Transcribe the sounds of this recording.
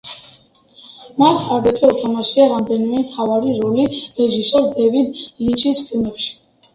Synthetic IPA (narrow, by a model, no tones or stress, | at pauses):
masaɡɛt̪ʼiɔt̪ʰamaʃiaɾamd̪ɛnimɛmt̪ʰavaɾiɾɔliɾɛʒisɔɾd̪ɛvid̪lint͡ʃʰʼispʰilˠmɛpʃi̥